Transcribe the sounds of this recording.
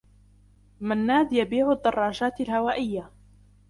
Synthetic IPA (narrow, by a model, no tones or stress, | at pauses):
manːaːd̪jabiːʕʊd̪ːɑrˤːɑːʒaːt̪alhawaːʔɪjːa